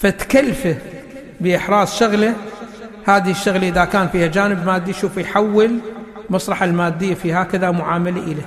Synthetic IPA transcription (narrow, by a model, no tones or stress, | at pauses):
fat̪kalːfa | bɪʔɪħɾˤɑːsˤʃʊɣla | haːðiʃːʊɣlaʔɪðakaːnfiːhad͡ʒaːnɪbmaːd̪ːijʃuːfjħawːɪl | mɑsˤɾˤɑħalmaːd̪ːɪjːafiːhaːkaðamʊʕaːmalaʔɪla